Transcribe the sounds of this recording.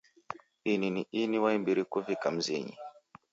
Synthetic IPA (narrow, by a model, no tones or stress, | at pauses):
ininiʔiniwaimbiɾikuvikam̩ziɲḭ